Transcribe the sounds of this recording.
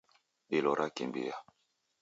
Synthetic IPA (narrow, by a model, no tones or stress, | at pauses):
ɗelɔɾʔakḛmbḛja